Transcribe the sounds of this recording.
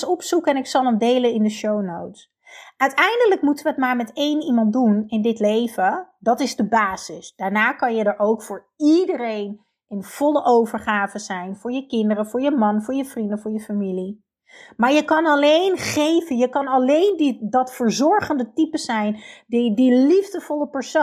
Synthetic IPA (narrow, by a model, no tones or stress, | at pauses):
sɔpsukəɛnɪksɑlˠəmdejlənɪndəʃownowts | ʔœɥtɛjndələkmutəʋəətmaːɹmɛtejnimɑntdunɪndɪtlejvədɑtɪzdəbaːzɪsd̥aːɹnaːkɑnjədəɹʔowkfʊːɹ | idəɾejn | ʔɪnv̥ɔləʔowvəɹχaːvəzɛjnvʊːɹjəkɪndəɾəvʊːɹjəmɑnvʊːɹjəvrindəvʊːɹjəfamili | maːɹjəkɑnɑlejnχejvənjəkɑnɑlejndidɑtfəɹzɔɹχəndətipəsɛjndidilivdəvɔləpɛɹso